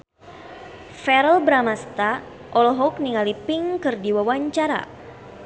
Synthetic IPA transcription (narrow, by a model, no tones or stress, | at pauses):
fɛɾəlbɾamast̪a | ʔɔlɦɔk̚niŋalipiŋkɨrdiwawaɲt͡ʃaɾa̰